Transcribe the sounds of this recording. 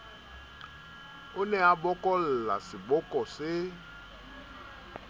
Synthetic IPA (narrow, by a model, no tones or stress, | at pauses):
onɛabɔkɔlla̰sibɔkɔse